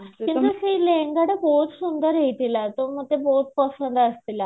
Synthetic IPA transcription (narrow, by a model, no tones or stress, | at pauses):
kĩnasileŋɡaɽəbʱoɦut̪sund̪əɾet̪ilat̪oməɡ̚t̪ebout̪̚pəsənd̪əst̪ila